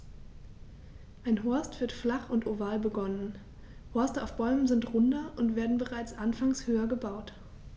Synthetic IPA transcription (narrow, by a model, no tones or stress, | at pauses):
ʔaɪnɦɔɐstv̥ɪɐtflaχʊntʔovaːlbəɡɔnən | hɔɐstəa̰ʊfb̥ɔʏmənzɪntʁʊndɐʔʊntv̥eːɐdn̩bəʁaɪt͡sʔanfaŋshøːɐɡəbaʊt